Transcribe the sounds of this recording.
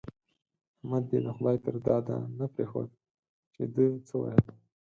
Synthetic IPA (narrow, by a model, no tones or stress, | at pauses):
amad̪̚b̪ed̪əxʊd̪ɑjt̪aɾd̪ɑd̪a̰napɾexo̰d̪ | t͡ʃed̪ət͡səwɑ̰jal